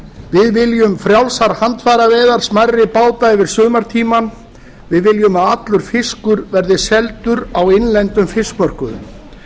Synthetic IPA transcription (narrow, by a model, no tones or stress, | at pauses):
vɪðvɪljʏmfɾjawlsaɾhant̪faːɾavɛːðaɾ̥smarːɪpaːwt̪aɛvɪɾ̥sʏːmaɾ̥t̪ʰiːman | vɪðvɪljʏmaðat̪lʏɾ̥fɪskʏɾvɛɾðɪsɛlt̪ʏɾawɪnlɛnt̪ʏmfɪskmœr̥kʏðʏ̰m